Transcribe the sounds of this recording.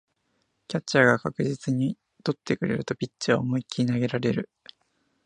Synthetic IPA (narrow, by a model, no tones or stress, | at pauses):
kʲat͡ɕaɡakakɯ̟ʑit͡sɨɲ̟i | t̪o̞t̪ːe̞kɯ̟ɾe̞̰ɾɯ̟t̪o̞pʲit͡ɕːɨβa̰moikʲinaɡe̞ɾaɾe̞ɾɯ̟